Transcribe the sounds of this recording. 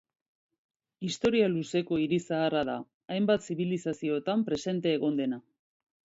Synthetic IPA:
ist̪o̞ɾialuse̞ko̞iɾisaːraða̰ | ajmbat̪siβ̞ilisasio̞t̪ampɾe̞se̞nt̪e̞ːɣ̞o̞nd̪e̞na

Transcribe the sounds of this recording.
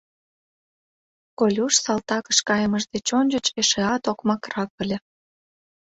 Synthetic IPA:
kolʲuʃsɑlt̪ɑkə̥̆ʃkɑjəməʃd̪et͡ɕonʲd͡ʑət͡ɕeʃeɑt̪okmɑkrɑk̚ə̆lʲe

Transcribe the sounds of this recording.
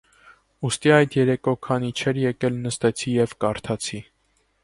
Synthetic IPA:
ust̪iɑjd̪jɛɾɛkɔkʰɑnit͡ʃʰɛɾjɛkɛlnəst̪ɛt͡sʰijɛvkɑɾt̪ʰɑt͡sʰi

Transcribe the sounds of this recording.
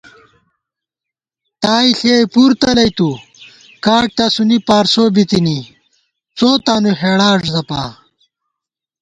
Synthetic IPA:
t̪aːiɬeːjpuɾt̪ɐlɐjt̪u | kaːʈ̚t̪asunipaːɾsoːbit̪ini | t͡soːt̪aːnuɦeːɽaːʐzɐpaː

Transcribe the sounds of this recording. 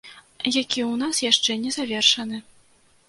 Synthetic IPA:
jakʲiwnasjaʂt͡ʂɛnʲɛzavʲɛrʂɐnɨ

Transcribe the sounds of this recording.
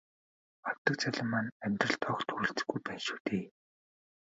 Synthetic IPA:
aw̥t̪ə̆k̚t͡sʰæɮʲə̆mːanæmʲt̪rə̆ɬt̪ʰɔːkt̪ʰuɾ̆ɬt͡sɘ̥̆ɡujpæːnʃu̥ːt̪eː

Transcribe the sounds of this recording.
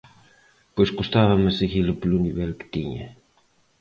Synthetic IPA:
pojskust̪avɐmeseɣiləpluniβɛlkə̥t̪iɲə̰

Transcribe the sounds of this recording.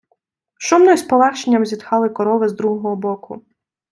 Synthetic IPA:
ʃumnɔsʲpɔlaxt͡ʃenʲːɐmzʲid̪xɑlˠɪkɔɾɔʋɪzd̪ɾuɦɔɔɦɔbɔkʰʊ

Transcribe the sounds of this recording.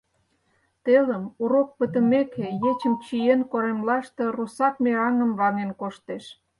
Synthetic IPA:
t̪eləmuɾok̚pət̪ə̆mekʰejet͡ɕəmt͡ɕijenkoɾemlɑʃt̪e̽rusɑkmeɑŋəmβɑnenkoʃt̪eʃ

